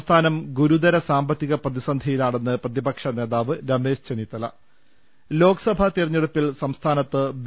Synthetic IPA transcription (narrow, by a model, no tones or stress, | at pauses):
st̪ʰaːnɐmɡuɾud̪ɐɾɐsaːmbɐt̪ːiɣɐprɐðisɐnd̪ʱɐjilaːɳenːɨprɐðibɐkʂɐne̞ːðaːʋɨɾɐme̞ːʂt͡ɕenit̪ːɐlɐ̰ | lo̞ːkɐ̥sɐbʱɐt̪irɐɲːeɽupːilsɐmst̪ʰaːnɐt̪ːɨʋ